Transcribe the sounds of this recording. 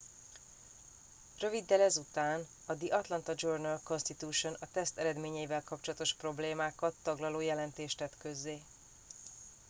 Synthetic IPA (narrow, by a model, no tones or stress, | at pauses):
rø̞vid̪ːɛlɛzut̪aːn | ɒd̪iʔɒt̪lɒnt̪ɒd͡ʒornɛlko̞nst̪it̪uːʃo̞nɒt̪ɛst̪ɛɾɛd̪meːɲɛjivɛlkɒp̚t͡ʃo̞lɒt̪o̞ʃpro̞bleːmaːkɒt̪ːɒɡlɒloːjɛlɛnt̪eːʃt̪ɛt̪kø̞zːeː